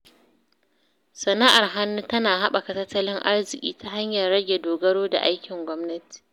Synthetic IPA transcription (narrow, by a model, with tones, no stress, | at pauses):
sɐ˨na˦ʔa˨rɦa˦nːu˦tɐ˦naː˨ha˦ɓa˨kɐ˨tɐ˦tːɐ˦lɪ˦ŋʔa˦rzɪ˨kʲʼḭː˦ta˦ɦa˦ɲjɐ˨rɽɐ˦ɡʲe˨doː˨ɡɐ˦ɽoː˦da̰˨ʔa˦jkʲɪ˨ŋɡʷɔ˦mnɐ˦ti̥˨